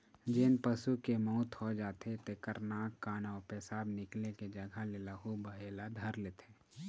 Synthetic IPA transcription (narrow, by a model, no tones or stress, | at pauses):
d͡ʒenpəsukemɔʊt̪ʰɦod͡ʒaːt̪ʰet̪ekəɾnaːkːaːnɔːɾpeːsaːbnɪkleked͡ʒəɡʱalelaɦubəɦeːlad̪ʱəɾleːt̪ʰeː